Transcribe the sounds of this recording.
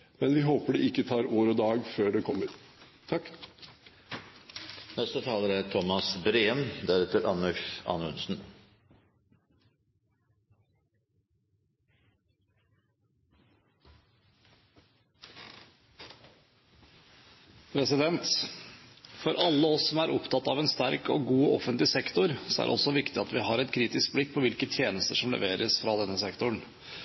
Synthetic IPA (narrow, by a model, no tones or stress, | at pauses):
mɛnʋɪɦoːpəɖɛɪkːət̪ʰɑːɾoːɾɔd̪ɑːɡføːɖɛkʰɔmːəɾ | t̪ʰɑkː | nɛst̪ət̪ʰɑːləɾæʈʰɔmɑsbɾeːəmd̪æɾɛt̪əɾʔɑ̰nœʃɑ̰ːnʉ̰nsn̩ | pʰɾɛsɪd̪ɛnt̪ | fɔɾʔɑlːəɔsːɔmæːɾʔɔpt̪ʰɑt̪ːɑʋɛnst̪æɾko̰ːɡuːɔfənt̪lɪsɛkt̪ʊɾsɔæ̰ɾʔɔ̰sɔʋɪkt̪ɪɑt̪ʋɪɦɑɾɛt̪kʰɾiːt̪ɪsk̚blɪk̚ːpʰɔʋɪlkət̪ʰjeːnəst̪əʂɔmlə̰ʋeːɾəsfɾɑd̪ɛnːəsɛkt̪ʊɳ